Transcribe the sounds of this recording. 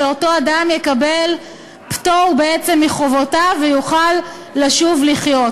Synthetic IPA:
eo̞to̞adamjekabe̞l | ptoʁbeet͡semːiχovo̞tavejuχalː | aʃuvliχjo̞t

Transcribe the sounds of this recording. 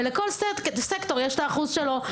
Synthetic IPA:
leko̞lsesekt̪o̞ʁjeʃlaːχuzʃelo̞

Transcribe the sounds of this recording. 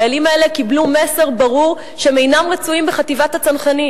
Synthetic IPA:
alimaele̞kiblumeseʁbaʁuʁ | ʃeme̞jnamʁet͡suimbeχativathat͡sanχani

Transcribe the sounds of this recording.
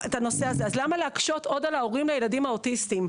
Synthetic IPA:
etano̞seazeazlamaleakʃo̞to̞dalaoʁimlejeladimaotistim

